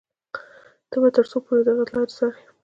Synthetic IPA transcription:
d̪̥əbat̪əɾsopoɾed̪aɣalɑɾsaɾ

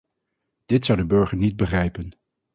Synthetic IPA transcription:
d̥ɪtsʌwdəbɵɹχəɹnid̚bəχrɛjpən

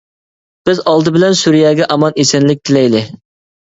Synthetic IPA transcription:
b̥ɪzɑlˠd̪ɨbɪlɛnsuɾijɛːɡʲɛʔɑmɑnesɪnlɪk̚ʲt̪ʰɪlɛjd̪ɪ

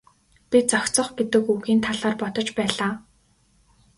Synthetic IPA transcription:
pʲit͡sɔxʲt͡sɞ̆χɡet̪ɘ̆kuɣiːnt̪ʰaɮaːrpɔt̪ɞ̆t͡ɕpæːɮaː

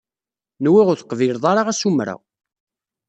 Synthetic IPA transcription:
nwiʁʊɾθə̥qːviɾðˤɑɾˤɑʁæsumɾæ̰

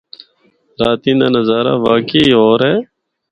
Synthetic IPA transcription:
ɾaːt̪ĩːnaːnəzaːɾa̰ːʋaːkeiːɦoːɾeː

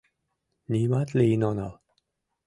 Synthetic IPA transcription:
nʲimat̪lʲeinonɑ̰lˠ

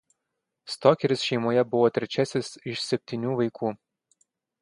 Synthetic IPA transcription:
st̪ɔkʲɛɾʲɪsʃʲɛɪmoːjɛbʊʋɔt̪ʲɾʲɛt͡ʃʲæsʲɪsɪʃsʲɛpʲt̪ʲinʲuːʋɐɪkʰuː

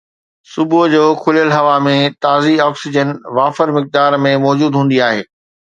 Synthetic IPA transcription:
sʊbʊd͡ʑoːkʰʊljəlɦɐʋamẽt̪aːziɔːksɪd͡ʑənʋaːfəɾmɪk̚d̪aːɾmẽmɔːd͡ʑuːd̪ɦũːn̆d̪iaːɦeː

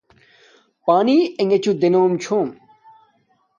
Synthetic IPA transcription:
paːnieŋet͡ɕud̪enoːmt͡ɕʰoːm

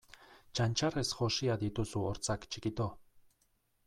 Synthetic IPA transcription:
t͡ʃanʲt͡ʃaɾesxoʃiad̪it̪usuɔɾt͡sakt͡ʃikit̪o

